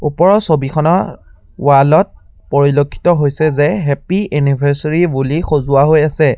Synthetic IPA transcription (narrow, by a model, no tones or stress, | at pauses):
upɔɹɔsobikʰɔnɔ | walɔt̚ | poɹilokʰːi̥tɔɦojsɛzɛɦɛpiɛnibʱɛɹsaɹibulixozʊaɦojasɛ